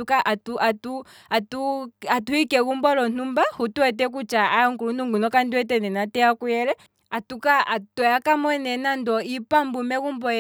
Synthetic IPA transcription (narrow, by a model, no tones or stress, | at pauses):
ukaʔatuʔatu | atuatuhikɛkumbɔlɔn̥umbahutuɛt̬ɛk̬ut͡ʃaajaŋkulun̥uŋɡunɔkandiwɛt̬ɛnɛnatɛjakujɛɾɛ | atukaatɔjakamɔɛnɛnandɔipambumɛkumbɔɛ